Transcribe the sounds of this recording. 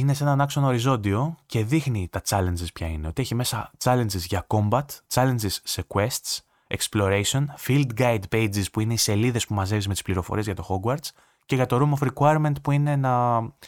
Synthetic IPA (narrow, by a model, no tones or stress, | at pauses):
ine̞se̞nɐnɐkso̞nɐoɾizo̞nd̪io̞ce̞ðixnit̪ɐt͡sɐle̞nd͡zispçɐineo̞t̪ieçime̞sɐt͡sɐle̞nizʝɐko̞mbɐt̪t͡sɐle̞nd͡zisːekwe̞st̪s | eksplo̞ɾesio̞nfild̪ɡɐjd̪pejd͡zispuine̞ise̞liðe̞spumɐze̞vizme̞t̪ispliɾo̞foɾie̞zʝɐt̪o̞xo̞ɡwɐɾt͡s | ce̞ʝɐt̪o̞ɾumofɾikwɐjeɾme̞nt̪̚puine̞nɐ